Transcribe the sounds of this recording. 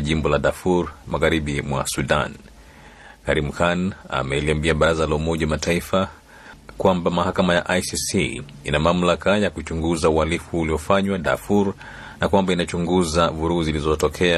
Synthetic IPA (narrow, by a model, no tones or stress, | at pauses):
ʄimbɔlaɗafuɾmaɣaɾiɓimwa̰suɗa̰n | kaɾim̩hana̰mɛliambiaɓaɾazalaumɔʄawamatʰaifa | kwambamahakamaja̰ʔajsisi | inamam̩lakajakut͡ʃuŋɡuzaualifuliɔfaɲwaɗa̰fuɾ | nakwambainat͡ʃuŋɡuzavuɾuhuzilizɔtɔkʰɛa